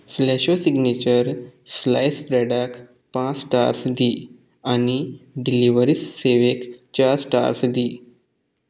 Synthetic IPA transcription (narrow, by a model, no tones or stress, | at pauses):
flɛɕosiɡnit͡ɕəɾslajspɾɛɖak | pãt͡sʈa̰ɾsd̪i | aniɖiliʋəɾisːeʋekt͡ɕaɾsʈa̰ɾsd̪i